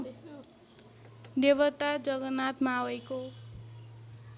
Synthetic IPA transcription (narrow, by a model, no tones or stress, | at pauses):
d̪ebʌt̪ad͡zʌɡʌnat̪mawʌjko